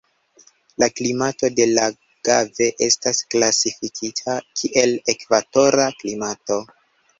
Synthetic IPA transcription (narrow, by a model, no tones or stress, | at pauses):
laklimato̞de̞la | ɡ̥ave̞ʔe̞stasklasifikʰitʰakʰiʔe̞le̞kvato̞ɾaklimato̞